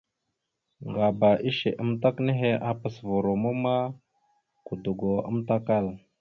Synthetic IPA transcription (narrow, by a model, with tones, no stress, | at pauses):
ŋɡa˨ba˨ʔi˦ʃḛ˨ʔə˦mta˦kne˦ɦe˦ʔa˨pə˨svo˨ɾo˨mu˦ma˦ | ku˨du˨ɡo˨ə̰˦mta˦ka˦˨l